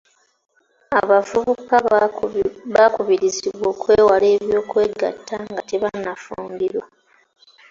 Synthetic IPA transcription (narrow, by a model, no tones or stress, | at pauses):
aβavuβuka | βakuβiɾiziβwo̞ːkweːwale̞ːβjo̞ːkwe̞ːɡa̰tʰːaŋɡateβanafṵːŋɡiɾwa